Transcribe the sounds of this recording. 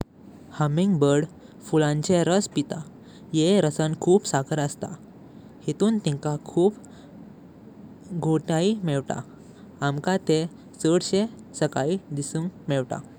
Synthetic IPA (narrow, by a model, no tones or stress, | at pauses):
həmĩŋɡbəɾɽ | fulãɲt͡ɕeɾəspit̪a | jeɾəsənkʰuːpsakʰəɾəst̪a̰ | het̪uːnt̪ɛ̃ŋkakʰuːp | ɡʱoʈaimɛɭʈa̰ | amkat̪e | səɽɕẽ | səkaid̪isuŋkmɛɭʈa̰